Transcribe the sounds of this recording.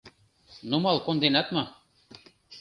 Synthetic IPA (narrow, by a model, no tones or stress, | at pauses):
numɑlˠkond̪enɑt̪mɤ̆